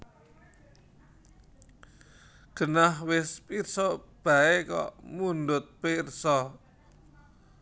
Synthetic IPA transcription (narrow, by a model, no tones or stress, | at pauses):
ɡ̥ə̤nahwɪspirsɔb̥a̤ekɔ̰ʔmundʊt̪̚pirsɔ